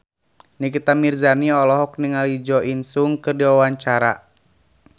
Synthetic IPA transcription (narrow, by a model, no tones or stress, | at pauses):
nikit̪amirzaniɔlɔɦɔk̚niŋalid͡ʒɔʔinsuŋkɨrdiwawaɲt͡ʃaɾa̰